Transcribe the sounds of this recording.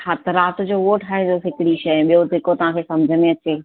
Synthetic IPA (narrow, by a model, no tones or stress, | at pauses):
hat̪ɾaːt̪ʊd͡ʑoːoːʈʰaːɦed͡ʑoːɦɪkɪɽiʃɐjɓijod̪ʱɪkot̪ɐʋ̤ãkʰeːsɐmd͡ʑʱəneɐt͡ɕeː